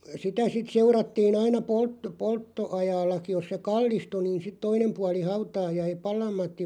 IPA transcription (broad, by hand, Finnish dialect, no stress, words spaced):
sitæ sit seurɑtːiːn ɑinɑ polt poltːoɑjɑːlːɑki jos se kɑlːistu niːn sit toinem puɑli hɑutɑː jæi pɑlɑmˑɑtˑim